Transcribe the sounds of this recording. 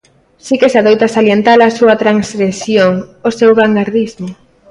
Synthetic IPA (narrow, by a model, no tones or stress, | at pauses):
sikesaðojt̪asaljent̪alasuɐt̪ɾaŋsɾesjoŋosewɣaŋɡaɾðizmo